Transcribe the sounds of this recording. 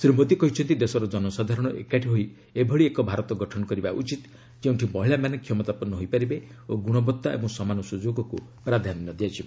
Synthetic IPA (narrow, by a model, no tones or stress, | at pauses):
sɾimod̪ikɔɦit͡ʃʰɔnt̪id̪esɔɾɔd͡ʒɔnɔsad̪ʱaɾɔɽ̃ɔʔḛkaʈʰiɦoj | ebʱɔɭiekɔbʱaɾɔt̪ɔɡɔʈʰɔnɔkɔɾibaʔut͡ʃit̪ | keũɳʈʰimɔɦiɭamanekʰjɔmɔt̪apɔnɔɦojpaɾibe | oɡuɽ̃ɔbɔt̪ːaḛbɔŋsɔmanɔsud͡ʒoɡɔkupɾad̪ʱaninɔd̪iat͡ʃʰibe